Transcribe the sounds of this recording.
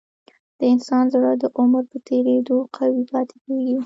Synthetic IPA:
d̪̥əɪnsɑnzaɽəd̪əʔʊməɾpət̪ʰeɾed̪oqʰawipɑt̪e̥keɡi

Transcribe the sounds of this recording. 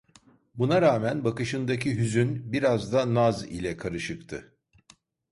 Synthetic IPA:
bunaɾaːmænbakɯʃɯnd̪acʰiɦyzynbiɾazd̪anazḭlʲɛkʰaɾɯʃɯkt̪ʰɯ

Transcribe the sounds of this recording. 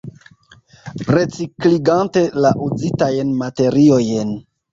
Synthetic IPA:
ɾe̞t͡sikliɡante̞laʔuzitajenmate̞ɾiojen

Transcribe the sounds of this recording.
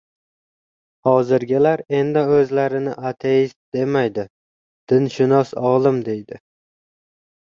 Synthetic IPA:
hɒzɪɾɡʲɪlaɾe̞nd̪aɵzlaɾɪnɪʔat̪ʰejɪst̪̚d̪e̞majd̪ɪ | d̪̥ɪnʃɪnɒsɒlˠɪmd̪e̞jd̪ɪ

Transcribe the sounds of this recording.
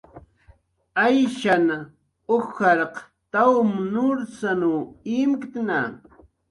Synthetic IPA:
ajʃana | oxɑɾq | t̪awmnʊɾsanuɪmkt̪na

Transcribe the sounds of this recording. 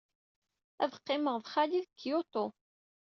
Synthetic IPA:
æ̰vəqːɪməʁðχæliðəkːjot̪ˤo

